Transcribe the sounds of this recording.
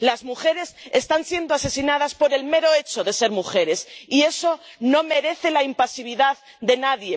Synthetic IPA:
lazmuxe̞ɾe̞sest̪ansje̞nd̪oase̞sinað̞aspo̞ɾe̞lme̞ɾoe̞t͡ʃo̞ðe̞se̞ɾmuxe̞ɾe̞sie̞so̞no̞me̞ɾe̞θe̞laimpasiβ̞iðað | ðe̞naðje̞

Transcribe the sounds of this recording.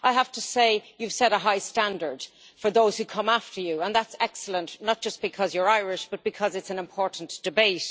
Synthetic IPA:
ʔaɪɦaftəseɪjʉv̥sɛɾəɦaɪstãndə˞d̥ | fə˞ðoʊz̥hʉkʰʌ̃maftʰə˞juə̃nðætsɛksələ̃nnət̚d̥ʒ̥ʌsb̥ɨkʰʌzjə˞aɪɹɪʃb̥ʌt̚b̥ɨkʰʌzɨtsə̃nɪ̃mpʰɔɹʔn̩d̥ɨbeɪt

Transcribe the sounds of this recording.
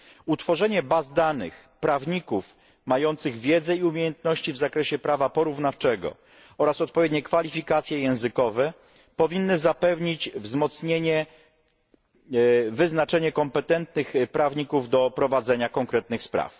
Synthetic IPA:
ut̪fɔʐɛɲɛbazd̪anɘ̰x | pɾavɲikuf | majɔnt̪sɘɣvʲjɛd̪zɛiumʲejɛnt̪nɔɕt͡ɕivzakɾɛɕɛpɾavapɔɾuvnaft͡ʂɛɡɔ̰ | ɔɾasɔt̪̚pɔvʲjed̪̚ɲɛkfalʲifʲikat̪sʲjɛjɛ̃w̃zɘkɔvɛ | pɔvʲinːɘzapɛvɲit͡ɕvzmɔt̪sɲeɲɛ | vɘznat͡ʂɛɲɛkɔmpɛt̪ɛnt̪nɘxpɾavɲikuvd̪ɔpɾɔvad̪zɛɲakɔŋkɾɛt̪nɘxspɾa̰f

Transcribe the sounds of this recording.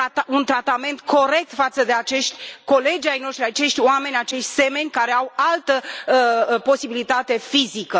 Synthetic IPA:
at̪aunt̪ɾat̪ame̞nt̪kʰo̞ɾe̞k̚t̪fat̪səd̪e̞at͡ʃe̞ʃt̪ʲko̞le̞d͡ʒajno̞ʃt̪ɾiat͡ʃe̞ʃt̪ʲoame̞nʲat͡ʃe̞ʃt̪ʲse̞me̞nʲkaɾeawalt̪ə | po̞sibilit̪at̪e̞fizikə

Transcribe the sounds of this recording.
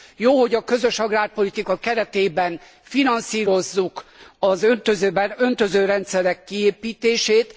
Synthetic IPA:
joːho̞ɟɒkø̞zø̞ʃɒɡraːrpo̞lit̪ikɒkɛɾɛt̪eːbɛn | finɒnsiːɾo̞zːukɒzøt̪øzøbɛønt̪ø̞zøːɾɛnt̪sɛɾɛkːieːpiːt̪eːʃeːt̪

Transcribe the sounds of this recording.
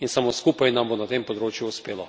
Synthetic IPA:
insamoskuːpajnambonat̪empɔd̪ɾoːt͡ʃjuːspeːlɔ

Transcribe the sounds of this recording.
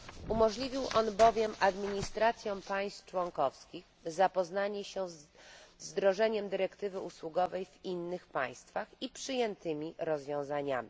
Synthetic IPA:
umɔʐlʲivʲiwʔɔnbɔvʲjɛmʔad̪mʲiɲist̪ɾat̪sʲjɔ̃w̃paj̃st̪ft͡ʂwɔŋkɔfskʲix | zapɔznaɲɛɕɛzzd̪ɾɔʐɛɲɛmd̪ɘɾɛkt̪ɘvɘʔuswuɡɔvɛjvinːɘxpaj̃st̪faxipʂɘjɛnt̪ɘmʲiɾɔzvʲjɔ̃w̃zaɲa̰mʲi

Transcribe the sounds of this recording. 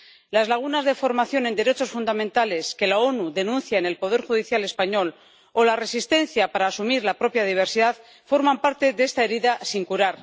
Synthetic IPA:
lazlaɣ̞unazðe̞fo̞ɾmaθjo̞ne̞nd̪e̞ɾe̞t͡ʃo̞sfund̪amẽnt̪ale̞ske̞lao̞nuðe̞nũnθjaene̞lpo̞ð̞e̞ɾxuðiθjale̞spaɲo̞l | o̞lare̞sist̪e̞n̟θjapaɾaːsumiɾlapɾo̞pjaðiβ̞e̞ɾsiðað | fo̞ɾmampaɾt̪e̞ðe̞st̪aeɾiðasiŋkuɾaɾ

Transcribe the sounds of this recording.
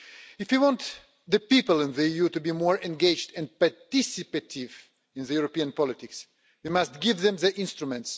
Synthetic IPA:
ɪfwiwɔ̃nt̪ | ðəpipəlˠə̃nðəijutubimɔɹɛ̃nɡeɪd͡ʒdɛ̃nd̚paɹtɪsɪpatʰɪv | ɪ̃nðəjuɹopiãnpɔlɪt̪ɪks | wimastɡɪvðɛ̃mðə˞ʔɪ̃nstɹumɛ̃nts

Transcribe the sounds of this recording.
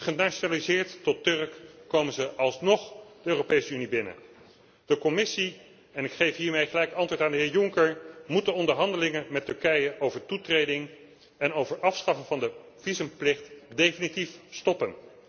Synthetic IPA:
χənat͡ʃonaːlizɪːɹtːɔtɵrkːowmənzəʔɑlˠsnɔχd̥əøːropejsəynibɪnə̰ | d̥əkɔmɪsi | ɛnɪkχejfɦiːɹmejəχəlɛjkɑntʋʊːɹtaːndəɦɪːɹjʊŋkəɹmut̚dəɔndəɹɦɑndəlɪŋəmɛtɵɹkɛjəʔowvəɹtutrejdɪŋ | ɛnowvəɹʔɑfsχɑfəŋvɑndə | v̥izəmplɪχtdejfinitifstɔpən

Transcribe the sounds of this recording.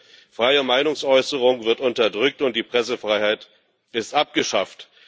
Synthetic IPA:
fʁ̥aɪəmaɪnʊŋsʔɔʏsəʁ̞ʊŋvɪɐtʊntɐdʁʏk̚tʊnt̚d̥iːpʁ̥ɛsəfʁ̥aɪhaɪt | ɪstʔap̚ɡ̥əʃaft

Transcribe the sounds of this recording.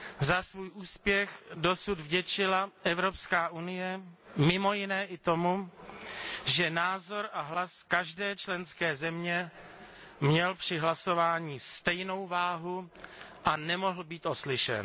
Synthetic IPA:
zasvuːjʔuːspjɛxdo̞sud̪vɟɛt͡ʃɪlaʔɛvɾo̞pskaːʔunɪjɛmɪmo̞jɪnɛːʔɪt̪o̞mu | ʒɛnaːzo̞ɾʔaɦlaskaʒdɛːt͡ʃlɛnskɛːzɛmɲɛ | mɲɛlpr̝̥ɪɦlaso̞vaːɲiːst̪ɛjno̞wvaːɦuʔanɛmo̞ɦl̩biːt̪ʔo̞slɪʃɛ̰n

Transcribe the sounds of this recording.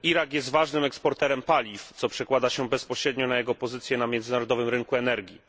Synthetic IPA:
iɾakjɛst̪vaʐnɘmɛkspɔɾt̪ɛɾɛmpalʲift̪sɔpʂɛkwad̪aɕɛbɛspɔɕɾɛd̪ɲɔnajɛɡɔpɔzɘt̪sjɛnamʲjɛndzɘnaɾɔd̪ɔvɘmɾɘŋkuɛnɛɾɡʲi

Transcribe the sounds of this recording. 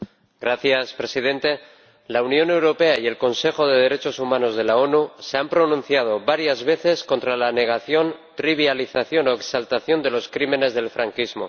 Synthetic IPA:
ɡɾaθjaspɾe̞siðẽ̞nt̪e̞ | launjo̞ne̞wɾo̞pe̞aie̞lko̞nse̞xo̞ðe̞ð̞e̞ɾe̞t͡ʃo̞sumãno̞zð̞e̞lao̞nuse̞ampɾo̞nũn̟θjað̞o̞βaɾjazβe̞θe̞sko̞nt̪ɾalane̞ɣ̞aθjo̞nt̪ɾiβ̞jaliθaθjo̞no̞eksalt̪aθjo̞nd̪e̞lo̞skɾime̞ne̞zðe̞lfɾaŋkizmo̞̰

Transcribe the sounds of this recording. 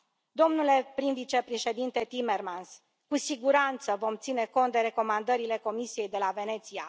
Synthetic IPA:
d̪o̞mnule̞pɾinvit͡ʃe̞pɾe̞ʃe̞d̪int̪e̞t̪ime̞rmans | kusiɡuɾant̪səvo̞mt̪sine̞ko̞nt̪̚d̪e̞ɾe̞ko̞mand̪əɾile̞ko̞misije̞jd̪e̞lave̞ne̞t̪sia

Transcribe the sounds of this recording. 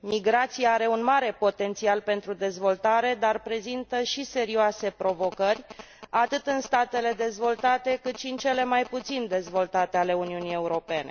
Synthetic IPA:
miɡɾat̪siaaɾe̞unmaɾe̞po̞t̪e̞nt̪sialpe̞nt̪ɾud̪e̞zvo̞lt̪aɾe̞d̪arpɾe̞zint̪əʃise̞ɾioase̞pɾo̞vo̞kərʲ | at̪ɨt̪ɨnst̪at̪e̞le̞d̪e̞zvo̞lt̪at̪e̞kɨt̪ʃiɨnt͡ʃe̞le̞majput̪sind̪e̞zvo̞lt̪at̪e̞ale̞uniunije̞uɾo̞pe̞ne̞̰

